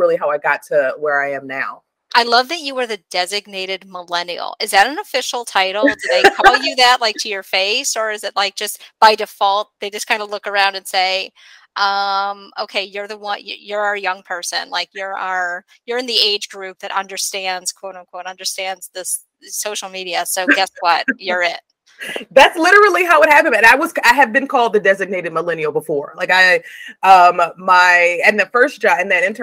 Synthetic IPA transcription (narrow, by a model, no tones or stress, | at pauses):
ɪlˠiɦaʊaɪɡɑtʰɨwə˞aɪɨ̃mnaʊ | ʔaɪlʌvðɨt͡ʃɨwə˞ðɨdɛzɨɡ̚neɪɾɨd̚məlɛnil̩ˠɨzðɨɾɨ̃n̩əfɪʃl̩ˠtʰaɪɾl̩ˠdɨðeɪkʰɔl̩ˠjɨðɨt̚laɪk̚tʰɨjə˞feɪsə˞ɨzɨt̚laɪk̚d̥ʒ̥ʌst̚b̥aɪdɨfɔlˠt̪̚ðeɪd͡ʒʌskʰãɪ̃ndəlʊkə˞ãʊ̃ndɨ̃nseɪ | ʔʌ̃moʊkʰeɪjə˞ðəwʌ̃jə̰jə˞əjʌ̃ŋpʰɜ˞sɨ̰̃nlaɪkjə˞ə˞ | jə˞ɨ̃nðieɪd͡ʒɡɹʉp̚ðɨɾʔʌ̰̃ndə˞stæ̃ndz̥kʰw̥oʊɾʌ̃kʰw̥oʊɾʌ̃ndə˞stæ̃ndz̥ðɪs | soʊʃl̩ˠmiɾiɨsoʊɡɡɛswʌt̚jə˞ɪt̚ | ðætslɪɾə˞l̩ˠiɦaʊwəd̚hæpɨ̃nɨ̃naɪwʌz̥aɪɨv̚bɨ̃nkʰɔlˠd̪̚ðɨdɛzɨɡ̚neɪɾɨd̚məlɛ̃niəʊbəfɔɹlaɪkaɪʌ̃mːaɪɨ̃nðɨfɜ˞sd̥ʒ̥ɑɨ̃nðɨɾɪ̃ntʰ